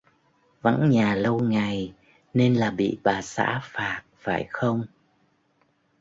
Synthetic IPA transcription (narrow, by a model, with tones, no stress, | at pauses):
və̰˧˥nɲaː˨˩lə˧wŋa˨˩j | ne˧nlaː˨˩ɓḭ˧˨ɓaː˨˩sa̰ː˧˥faː˨˩t̚faː˧˩jxə˧wŋ͡m